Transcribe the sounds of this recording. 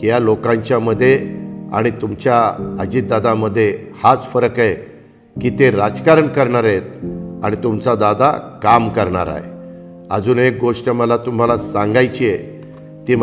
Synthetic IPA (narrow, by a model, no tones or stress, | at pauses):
jalokãɲt͡ɕjaməd̪ʱːjea̰ɽ̃it̪umt͡ɕjaəd͡ʑiːt̪̚d̪ad̪aməd̪ʱːjehat͡sfəɾəkaj | kiːt̪eɾad͡zkaɾəɳkəɾɳaɾet̪̚a̰ɽ̃it̪umt͡sad̪ad̪ʱa̰kamkəɾɳa̰ɾa̰ɦḛ | əd͡zuːnek̚ɡoʂʈəməlat̪um̤alasãŋɡajt͡ɕije | t̪im